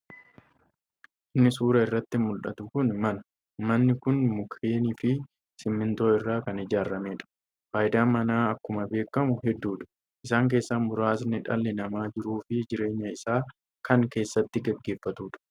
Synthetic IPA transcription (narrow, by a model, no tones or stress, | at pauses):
ʔɪnːɪsuːɾɐɪrːɐt̪ːɪmʊlᶑɐ̰t̪ʊkʊnmɐnɐ̥ | mɐnːɪkʊnmʊkɾeːniːfɪ | sɪmːɪnt̪o̞ːɪrːaːkɐnɪd͡ʒaːɾːɐmeːᶑɐ̥ | faːjɪd̪aːmːɐnaːɐkːʊmɐbe̞ːkːɐmʊɦɛd̪ːuːᶑɐ̥ | ʔɪsaːŋk̬e̞ːsːamʊɾaːs̬nɪᶑɐ̰lːɛnɐmaːd͡ʒɪɾuːfɪd͡ʒɪɾe̞ːɲːɐɪsaː | kʰɐŋke̞ːsːɐt̪ːɪɡɛɡːe̞ːfːɐt̪uːᶑɐ̥